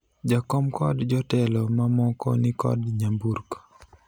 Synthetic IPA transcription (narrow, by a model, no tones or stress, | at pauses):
d͡ʒakɔmkɔdd͡ʒɔtɛlɔmamɔkɔ̰nɪkɔ̰dɲamburko̥